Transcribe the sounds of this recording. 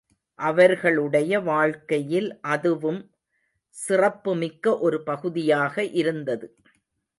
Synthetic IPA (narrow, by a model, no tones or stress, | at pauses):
ʔɐʋɐɾɣɐɭɯɽɐjɐʋaːɻkɐjɪlʔɐðɯʋɯm | sɪrɐpːɯmɪkːɐʔɔɾɯpɐɣɯðɪjaːɣɐʔɪɾɯnd̪ɐðɯ